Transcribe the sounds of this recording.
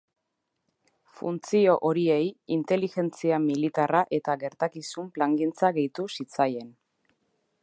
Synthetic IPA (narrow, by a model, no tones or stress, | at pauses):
fṵnt͡sio̞ʔo̞ɾie̞jint̪e̞lixe̞nt͡siamilit̪araʔe̞t̪aɣe̞ɾt̪akisumplaŋɡint͡saɣe̞jt̪usit͡saje̞n